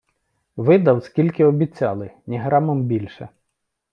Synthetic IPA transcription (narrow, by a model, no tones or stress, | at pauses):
ʋɪd̪ɐwskʲilʲkɪɔbʲit͡sʲɑlˠɪnʲiɦɾɑmɔmbʲilʲʃɛ̰